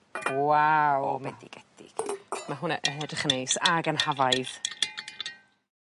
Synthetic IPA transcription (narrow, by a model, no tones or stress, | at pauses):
wawɔ̰mɛdḭɡ̥ɛd̥ɪ̰ɡ̥maɦʊna̰ʔɛɦɛdəχnejsaɡənhavaɨð̥